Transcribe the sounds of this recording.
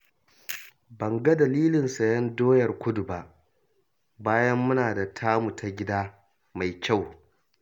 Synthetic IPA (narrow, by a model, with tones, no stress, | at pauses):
bɐ˨ŋɡɐ˦dɐ˨liː˦lɪ˨nsɐ˨jɐ˦ndoː˦jɐ˨rkʷʊ˦dʊ˨ba˦ʔ | baː˦jɐ˦mːʊ˦naː˨da˨tʰaː˦mu˨tʰa˨ɡʲɪ˦daː˦ | ma˨jkʲa˦˨w